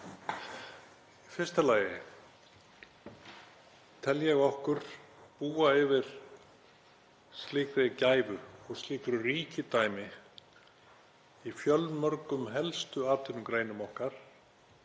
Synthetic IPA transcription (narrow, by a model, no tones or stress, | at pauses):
ifɪ̥st̪alaːjɪ | t̪ʰɛljɛɣɔhkʏɾ̥aðpuːaɪvɪɾ̥ | st̪liːkɾɪcaːjvʏɔɣst̪liːkɾʏriːcɪt̪aːjmɪ | ifjœlmœɾkʏmɦɛlst̪ʏaːt̪ɪnʏmkɾeːjnʏmɔhkaɾ̥